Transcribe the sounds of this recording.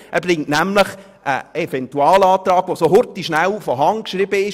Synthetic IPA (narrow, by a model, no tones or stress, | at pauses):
æɾblɪŋtnæmləχ | ʔə̰ɛfɛntuɑːlɑːt̪ɾɑːɡ̥ʋosoɦʊɾtiʃnælfɔɦɑŋkʃɾibəɪ